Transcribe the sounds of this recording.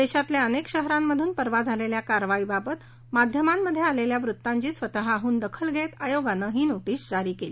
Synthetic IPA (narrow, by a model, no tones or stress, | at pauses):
d̪eɕat̪ljeənekɕəɦɾamːəd̪ʱuːnpəɾʋad͡zʱaleljakaɾʋaibabət̪ | mad̪ʱjəmamːəd̪ʱjealeljaʋɾut̪ːaɲt͡ɕiːsʋət̪əɦaɦuːnd̪əkʰəlɡʱet̪ajoɡanəɦiːnoʈiːsd͡zaɾiːkeliː